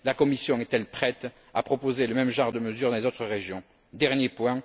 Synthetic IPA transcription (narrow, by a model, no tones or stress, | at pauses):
lakɔmisjɔ̃ɛt̪ɛlpχɛt̪ | apχɔpozeləmɛmʒɑ̃ʁd̪əməzyʁd̪ɑ̃lezot̪χəʁeʒjɔ̃ | d̪ɛʁnjepwɛ̃